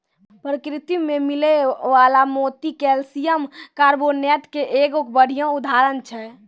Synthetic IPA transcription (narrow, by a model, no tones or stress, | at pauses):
pɾəkɾit̪imemileʋalamoːt̪ikelsijəmkaɾbonɛt̪keʔeɡokbəɽ̤ʱijãud̪ʱaɾənt͡ʃʰɛ